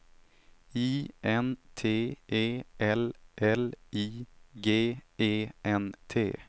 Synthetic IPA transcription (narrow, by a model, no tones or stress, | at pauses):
iːʔɛnt̪ʰeːʔeːʔɛlʔɛliːɡeːeːʔɛnt̪ʰḛː